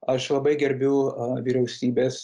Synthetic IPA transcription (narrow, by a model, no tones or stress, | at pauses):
ɐʃlˠɐbɐɪɡʲɛɾʲbʲʊʊʋʲiɾʲɛʊsʲiːbʲeːs